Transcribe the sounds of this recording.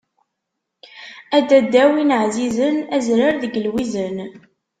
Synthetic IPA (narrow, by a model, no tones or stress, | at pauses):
æd̪æd̪ːæwinʕzizənæzɾaɾðəɡəlwizən